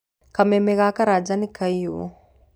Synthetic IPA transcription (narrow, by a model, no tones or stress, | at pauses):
kamemeɣakaɾad͡ʒanikaio̰